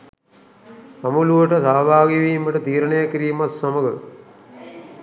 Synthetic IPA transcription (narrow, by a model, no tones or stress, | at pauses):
ɐmuluʋɐʈɐt̪aːʋaːɡiʋiːmɐʈɐt̪iːɾɐɳejɐkɾiːmɐsːɐmɐɡɐ̰